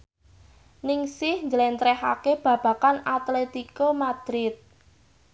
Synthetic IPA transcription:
nɪŋsɪhɲd͡ʒəlɛnt̪ɾɛha̰keb̥ä̤b̥ä̤kanat̪let̪ikomad̪̥ɾɪt̪̚

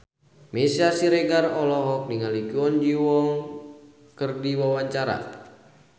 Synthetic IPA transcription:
mesiasiɾeɡarɔlɔɦɔk̚niŋalikiɔnd͡ʒiwɔŋ | kərdiwawaɲt͡ʃaɾa̰

